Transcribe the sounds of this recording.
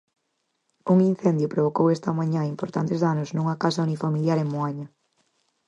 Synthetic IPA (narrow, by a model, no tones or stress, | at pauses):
uŋin̟θɛnd̪jʊpɾoβ̞okowɛst̪ɐmaɲãimpoɾt̪ant̪ezðanosnũŋɐkasɐunifamiljaɾeŋmoaɲɐ